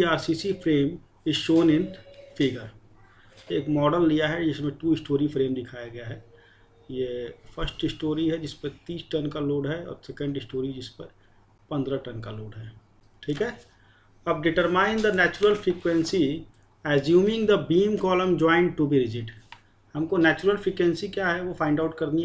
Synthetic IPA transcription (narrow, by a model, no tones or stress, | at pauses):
iaːɾsisifɾeːm | ɪzʃoːnɪnfɪɡəɾ | eːkmɔːɖəlːijaɦɛd͡ʒɪsmẽʈuːɪsʈoːɾifɾẽːmd̪ɪkʰaːjaɡɐjaɦɛː | jefʰəɾsʈɪsʈoːɾiɦɛd͡ʒɪspəɾt̪iːsʈɐnkaloːɖɦɛɔ̰ːɾsɛkə̃ɳɖɪsʈoːɾid͡ʒɪspəɾ | pɐ̃nd̪ɾaʈɐnkaloːɽɦɛː | ʈʰiːkɦɛ | ɐb̚ɖɪʈəɾmaːɪ̃nd̪ənɛːt͡ʃʊɾəlfɾiːkwẽnsi | ɛːzjũːmɪ̃ŋd̪əbiːmkɔːlə̃md͡ʒɔːɪ̃ɳɖ̚ʈubiɾɪd͡ʒɪʈ | hɐmkonɛːt͡ʃʊɾəlfɾiːkwẽnsikjaɦɛʋofʰãɪɳɖaʊʈ̚kɐɾni